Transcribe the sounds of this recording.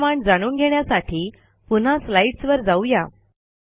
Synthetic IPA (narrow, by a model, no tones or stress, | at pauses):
maɳd͡zaɽ̃uːnɡʱeɳjasaʈʰiː | pun̤aslaiʈsʋəɾd͡zauja̰